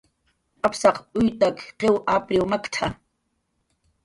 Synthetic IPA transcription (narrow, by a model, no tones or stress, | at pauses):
ʔapsɑqʼʊjt̪akqewʔapɾɪwmakt̪ʰa